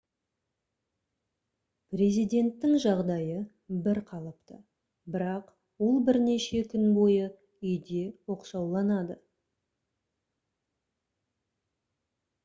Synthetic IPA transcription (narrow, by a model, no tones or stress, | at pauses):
pre̞zijd̪ʲe̞nt̪ːɪŋʒɑʁd̪ɑjə | bɪɾqʰɑlˠəpt̪ə | bɪɾɑq | wo̞lˠbɪɾne̞ʃe̞kʲʰʏnbo̞jə | ʏjd̪e̞wo̞qʃɑwlˠɑnɑd̪ə